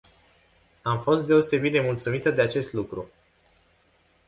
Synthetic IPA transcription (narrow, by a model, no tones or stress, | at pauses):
amfo̞st̪d̪e̞o̞se̞bit̪̚d̪emult̪sumit̪əd̪e̞at͡ʃe̞st̪lukɾu